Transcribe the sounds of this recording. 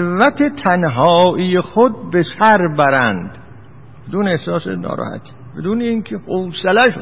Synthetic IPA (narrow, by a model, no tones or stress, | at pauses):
væt̪ʰet̪ʰænɦɒːʔiːjexod̪̚besæɾbæɾænd̪̥ | b̥ed̪uːneehsɒːsenɒ̰ːɾɒ̰ːhæ̰t̪ʰi̥ːbe̞d̪uːneiːŋkʰehowselæʃ